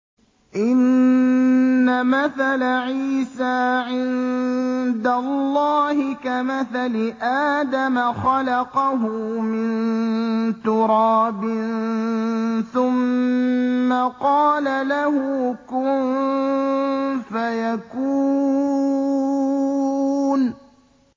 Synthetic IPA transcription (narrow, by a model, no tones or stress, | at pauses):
ʔɪn | amaθalaʕiːsaːʕɪn | d̪alːɑːhɪkamaθalɪʔaːd̪amaxɑlɑqɑɦʊmɪn | t̪ʊɾɑːbɪn | θʊmː | aqɑːlalahʊkʊnn | fajakuː | n